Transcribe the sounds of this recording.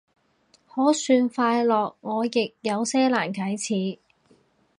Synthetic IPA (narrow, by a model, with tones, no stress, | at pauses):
hɔː˨˥syː˧nfaː˧jlɔː˨k̚ŋɔː˨˧jɪ˨k̚jɐ˨˧wsɛː˥laː˨˩nkʰɐ˨˥jt͡sʰiː˨˥